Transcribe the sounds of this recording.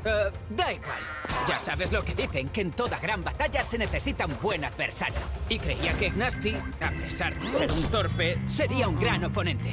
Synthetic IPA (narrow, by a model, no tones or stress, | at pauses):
d̪aiɣwa̰l | ʝasaβe̞zlo̞ke̞ðiθe̞ŋkeːnt̪o̞ðaɣɾambat̪aʝase̞ne̞θe̞sit̪aumbwe̞naðβe̞̰ɾsa̰ɾjo̰ikɾe̞̰iakeiɣnast̪iape̞saɾðese̞ɾunt̪o̞ɾpe̞se̞ɾiauŋɡɾano̞po̞nẽ̞nt̪e̞